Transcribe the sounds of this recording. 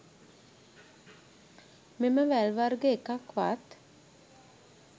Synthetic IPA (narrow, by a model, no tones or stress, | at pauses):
meməʋælʋaɾɡəekakʋa̰t̪